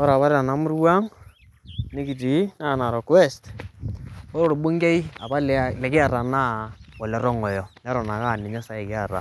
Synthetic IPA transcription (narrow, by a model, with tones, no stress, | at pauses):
ɔ˦ɾa˨βa˦ɾɛ˦a˨na˨mu˦rwa˦ŋ | nɪ˦ki˨t̬i˨˦na˦˨na˨ɾɔ˨kwɛ˦st | ɔ˦ɾo˦˨ɾo˨bu˦ŋɡe˦i˦a˨pa˦llɛ˨kɪ˦a˨ra˨na˦ɔ˨lɛ˨ɾɔ˦ŋɔ˨jɔ˨nɛ˦ɾɔ˨na˨ka˦˨nɪ˨ɲa˦sa˨˦ɛ˨kɪ˦a˨ra̰˨